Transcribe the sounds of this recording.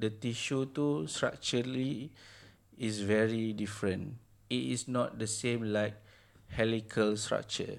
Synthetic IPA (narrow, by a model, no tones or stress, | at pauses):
dətiʃutustɹa̰k̚t͡ʃəli | isvɛɹidifɹə̃n | itisnɔt̚dəsẽmlaɪk̚ | hɛlikʰəlstɹa̰k̚t͡ʃə̰